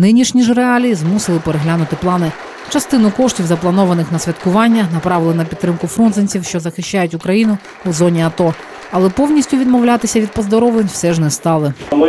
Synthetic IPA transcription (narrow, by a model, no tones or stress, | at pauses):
nɪnʲiʃnʲiʒreɑlʲijizmusɪlˠɪpeɾeɦlʲanʊt̪ɪplˠɑnɪ | t͡ʃɐst̪ɪnʊkɔʃtʲiwzɐplˠɐnɔʋɐnɪxnɐsʲʋʲɐt̪kʊʋɑnʲːɐnɐpɾɑʋɪlˠɪnɐpʲit̪t̪ːɾɪmkʊfɾɔnzɐnʲt͡sʲiwʃt͡ʃɔzɐxɪʃt͡ʃajʊtʲʊkɾɐjinʊ | uzɔnʲiɐt̪ɔ | ɐlˠɛpɔwnʲisʲtʲʊʋʲid̪mɔwlʲat̪ɪsʲɐʋʲid̪̚pɔzd̪ɔɾɔʋlˠenʲwsɛʒnɛst̪ɑlˠɪ